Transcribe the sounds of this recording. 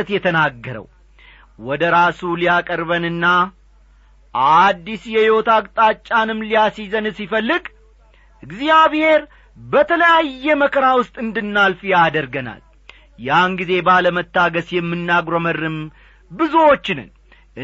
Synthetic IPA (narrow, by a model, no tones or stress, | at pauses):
ət̪jɛt̪ʰənaɡːəɾə̰w | wɔd̪əɾasulijakʼəɾbənɨnːa | ʔad̪ːisjɛjɪot̪ʰakt̪ʼat͡ʃʼːanɨmlijasizənɨsifəlːɨɡ | ɨɡzijaβhe̞ɾ | bət̪ʰələjajːɛməkʰəɾawʊst̪ʼɨnd̪ɨnːalfjad̪əɾɡəna̰l | janɡize̞baləmət̪ːaɡəsjɛmːɨnːaɡɾomərːɨm | bɨzuwo̞t͡ʃːɪnɨ̰n | ʔɨ